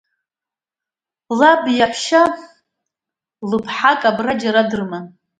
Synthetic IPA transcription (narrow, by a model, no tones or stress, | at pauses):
labjaħʷʰʃa | lɨpʰħakʼabrad͡ʒaɾadɨrma